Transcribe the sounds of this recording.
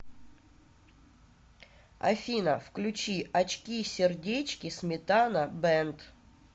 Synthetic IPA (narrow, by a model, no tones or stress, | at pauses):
ɐ̰fʲinəfklʲʉt͡ɕiɐt͡ɕkʲisʲɪrdʲet͡ɕkʲɪsmʲɪt̪anəbɛnt̪